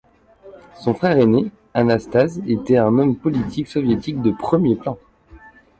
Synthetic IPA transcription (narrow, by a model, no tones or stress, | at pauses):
sɔ̃fχɛʁene | anast̪azet̪ɛɛ̃nɔmpɔlit̪ʰiksɔvjet̪ik̚d̪əpχəmjeplɑ̃